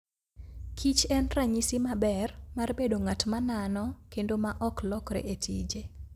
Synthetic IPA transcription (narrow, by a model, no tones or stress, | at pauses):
kʰit͡ʃɛnraɲisimabɛrmarbedoŋatmananɔkendomaʔɔklɔkɾḛʔetʰḭd͡ʒe